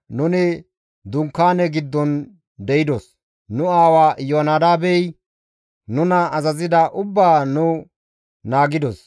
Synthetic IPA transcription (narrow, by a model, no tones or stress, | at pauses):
nʊnɪ | d̪ʊŋkːaːnɛɡɪd̪ːɔn | d̪ɛjɪd̪ɔs | nʊaːwaːjonad̪aːbɛj | nʊnɐɐzɐzɪd̪ɐʔʊbːaːnʊ | naːɡɪd̪ɔs